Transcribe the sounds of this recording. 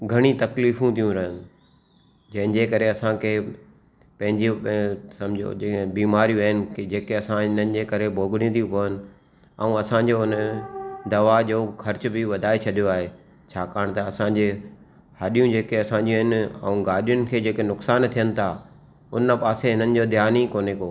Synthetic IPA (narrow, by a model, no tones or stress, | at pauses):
ɡʱɐɽ̃ĩt̪ɐkliːfũt̪ʰijũɾɐɦɪnɪ | d͡ʑɐ̃ɦɪ̃nd͡ʑeːkɐɾeɐsãkʰeː | pɐ̃ɦɪ̃ɲd͡ʑisɐmd͡ʑʱo̰ebiːmaːɾijũɐɦɪnɪ̆kd͡ʑeːkeɐsãnənɪd͡ʑeːkɐɾebʱoːɡɪɽ̃ĩt̪ʰijũpoːənɪ̆ | ɐũɐsãɲd͡ʑoʊnəd̪ɐʋad͡ʑoːxʰɐɾɪt͡ɕʊ̆bɪʋɐd̪ʱaːet͡ɕʰɐɗijoaːɦeː | t͡ɕʰaːkaːɽ̃t̪ɐɐsãd͡ʑe | hɐɗijũd͡ʑeːkeɐsãːɲd͡ʑĩɦɪnɪɐ̰ũɡaːɗijʊnɪ̆kʰeːd͡ʑeːkenʊksaːnt̪ʰijənɪ̆t̪ʰa | ʊnəpaːseɦɪnənɪ̆d͡ʑoːd̪ʱjaːnikoːnekoː